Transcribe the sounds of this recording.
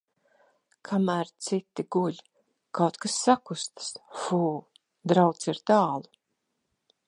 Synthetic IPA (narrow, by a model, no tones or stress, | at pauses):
kʰamæːɾt̪sit̪iɡuʎʲ | kawt̪kasːakust̪sfuː | d̪ɾawt̪siɾt̪aːlˠu